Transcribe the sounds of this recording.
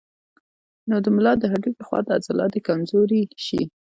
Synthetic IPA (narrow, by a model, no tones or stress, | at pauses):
nod̪əmʊlɑd̪əɦaɖukləxwɑ̰d̪əazalɑ̰d̪ekamzoɾiʃḭ